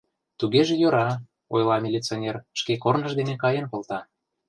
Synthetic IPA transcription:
t̪uɣeʒĕjoɾɑ | ojlˠɑmʲelʲit͡sonʲerʃkekornəʃd̪enekɑjenkolt̪ɑ

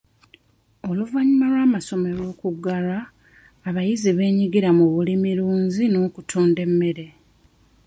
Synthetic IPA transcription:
o̞luvaɲimalwaːmaso̞me̞ɾo̞ːkuɡːaɾaː | βajiziβe̞ːɲiɡiɾamuβulimiɾuːɲzino̞ːkutʰoːnde̞mːe̞ɾe̞

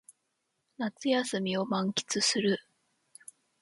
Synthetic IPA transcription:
nat͡sɨjasɨmʲio̞mãŋkʲi̥t͡sɨsɨɾɯ̟

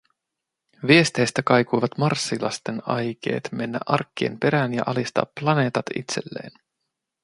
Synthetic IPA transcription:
ʋie̞st̪e̞jst̪ækɑjkujʋɑt̪mɑrsːilɑ̰st̪e̞nɑjk̟e̞̰ːt̪me̞nːæ̰ʔɑrkːiḛmpe̞ɾænjɑ̰ʔɑlist̪ɑ̰ːpːlɑne̞ːt̪ɑt̪ḭt̪se̞lːe̞̰ːn

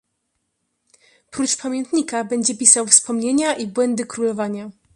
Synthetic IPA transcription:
pɾut͡ʂpamʲjɛnt̪ɲikabɛɲd͡ʑɛpʲisawfspɔmɲeɲaʔibwɛnd̪ɘkɾulɔvaɲa

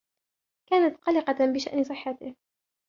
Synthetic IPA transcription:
kaːnat̪qɑlɪqɑbɪʃa̰ʔnɪsˤɨħːɑt̪ɪh

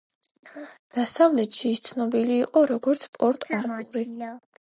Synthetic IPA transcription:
d̪̥asavlɛt̪ʃist̪sʰnɔbiliːqʼɔɾɔɡɔɾt̪sʰpʼɔɾt̪ʼaɾt̪ʼuɾi

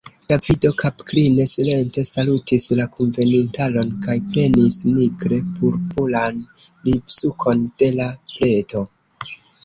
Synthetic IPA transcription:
d̥avido̞kʰapkline̞sile̞nte̞salutislakʰonve̞nintalo̞nkajple̞nisniɡɾe̞pʰuɾpulan | libsukʰo̞nd̥e̞laple̞to̞

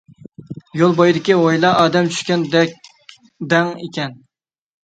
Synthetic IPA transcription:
jolˠbojd̪ɪkʲiojlˠɑʔɑːd̪ɛmt͡ʃʰy̥ʃkʲɛnd̪ɛk̚ʲ | d̪ɛŋekʲɛn

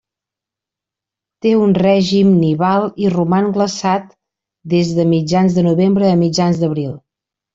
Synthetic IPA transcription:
t̪eunrɛʒimniβalˠirumaŋɡləsat̪ | d̪ezðəmid͡ʒanzðənuβembɾəːmid͡ʒanzd̪əβɾilˠ

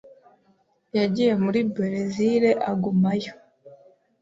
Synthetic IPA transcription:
jaɟije̞muɾibeɾeziɾe̞ʔaɡumajo

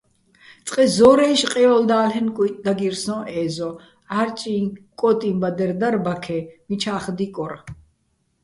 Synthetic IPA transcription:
t͡sʼqʼɛzɔɾɛjʃqʼɛjɔld̪aːlɦɛnkʼut̪ʼd̪aɡiɾsɔ̃ʔɛːzɔ | aɾt͡ʃʼiːŋkʼɔt̪ʼimbad̪ɛɾd̪arbakʰɛmit͡ʃʰaːχd̪ikʼɔɾ

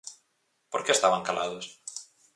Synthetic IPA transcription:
poɾkeest̪aβaŋkalaðos

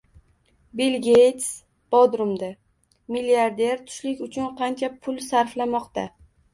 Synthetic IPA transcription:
bilɡʲejt̪s | b̥ɒd̪ɾʊmd̪a | milijaɾd̪e̞ɾt̪ʰʊ̥ʃlɪkʲʊt͡ʃʰʊnqʰɑnt͡ʃʰapʰʊlˠsaɾflamɒqt̪a

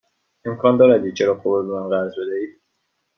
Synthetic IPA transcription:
e̞mkʰɒːnd̪ɒːɾæd̪iːt͡ʃʰeɾɒːxobobemænɢæɾzbe̞d̪æiːd̪̥̚

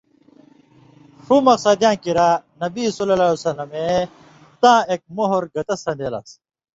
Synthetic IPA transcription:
ʂumɐqsɐd̪jãːkiɾanɐbisulɐlaːusɐlɐme | t̪ãːek̚moɦoɾɡɐt̪ɐsɐ̃nd̪elɐ̰s

